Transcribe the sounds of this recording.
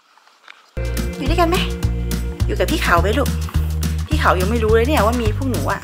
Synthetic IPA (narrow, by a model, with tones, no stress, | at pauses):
ju˨˩daː˧˥˩ka˧nma˦˥˩ | juː˨˩kaː˨˩p̪ʰiː˥˩xʰa˨˩˦wpa˧jlu˧˩ | t̪ʰiː˥˩xʰa˨˩˦wja˧˩wma˥˩jɾuː˦˥lɤ˧˦ni˥˩˨waː˥˩miː˧fʰuː˧˩˨ŋ̚nuː˩˦ʔa̰˨˧˩ʔ